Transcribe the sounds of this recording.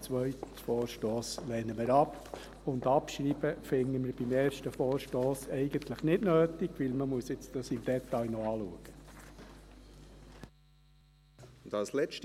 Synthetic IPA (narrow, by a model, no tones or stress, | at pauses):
t͡sʋœʏt | fɔːɾʃtoːslɛːnəmɪɾɑp | ʊnd̪ɑpʃɾiːbəfɪŋːəmɪɾb̥imeːɾʃtəfɔːɾʃtoːsɛɪɡənt̪ləχnɪdnøːtiɡʋɪlməmuəsɪt͡sd̥ɑsɪmd̥̪ɛt̪ɑjnɔɑːlṵəɡ̥ə | ndɑlslɛt͡ʃt